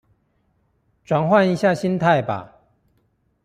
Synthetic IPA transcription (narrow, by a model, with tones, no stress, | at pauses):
ʈ͡ʂwa˨˩nxwa˥˨ni˨˦ɕja˥˨ɕi˦nt̪ʰa˥˨ɪba̰˨˩